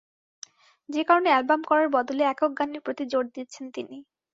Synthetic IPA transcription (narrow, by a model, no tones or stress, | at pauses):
d͡ʑekaɾoneɛlbamkɔɾaɾbɔd̪oleɛkok̚ɡaniɾpɾot̪id͡ʑoɾd̪it̪ːt͡ɕʰent̪ini